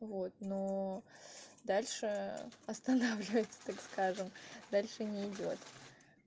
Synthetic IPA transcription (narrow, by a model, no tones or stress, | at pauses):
vo̞t̪̚no | d̪alʲʂɨɐst̪ɐnavlʲɪvəjɪt̪sə̥t̪akskaʐɨmd̪alʲʂɨnʲɪɪdʲo̞t̪